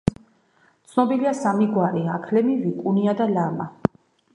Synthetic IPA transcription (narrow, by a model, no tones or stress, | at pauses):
t̪sʰnɔbiliasamiɡwaɾiakʰlɛmivikʼuniad̪alama